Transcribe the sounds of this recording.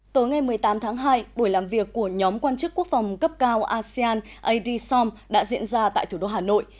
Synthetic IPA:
t̪o˨˦jŋa˧jmɨ˨˩əjt̪aː˨˦mt̪ʰaː˨˦ŋɦaː˧jɓo˧˩jlaː˨˩mvi˨˩əkːu˧˩əɲɔ˨˦mkwaː˧nt͡ɕɨ˦˥kːu˦˥ək̚fə˨˩wŋ͡mkə˦˥p̚kaː˧wʔaː˧si˧aː˧n | ʔə˧jɗi˧sɔ˧m | ɗa̰ː˧˥zḭ˧˥ənzaː˧t̪a̰ː˧˨jt̪ʰu˧˩ɗo˧ɦaː˨˩no̰˧˨jʔ

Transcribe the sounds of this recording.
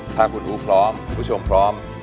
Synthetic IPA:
t̪ʰaː˧kʰu˧nʔuː˦˥pʰɾɔː˦˥mkʰu˧pʰːu˦˥t͡ɕʰo˧mpʰɾɔː˦˥m

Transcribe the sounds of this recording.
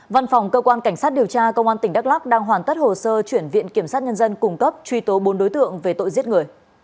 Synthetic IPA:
va˧nfa˨˩wŋ͡mkəː˧kwaː˧nka˧˩ŋ̟saː˦˥t̚ɗi˨˩əwt͡ɕaː˧kə˧wŋ͡mʔaː˧nt̪ï˧˩ŋ̟ɗa˦˥k̚la˦˥k͡p̚ɗaː˧ŋɦwaː˨˩nt̪ə˦˥t̚ho˨˩səː˧t͡ɕwi˧˩ənvḭ˧˨ənki˧˩əmsaː˦˥t̚ɲə˧nzə˧nkʊ˨˩ŋ͡mkə˦˥p̚t͡ɕwi˧t̪o˨˦ɓo˨˦nɗo˨˦jt̪ɨ̰˧˨əŋve˨˩t̪o̰˧˨jzi˦˥t̚ŋɨ˨˩əj

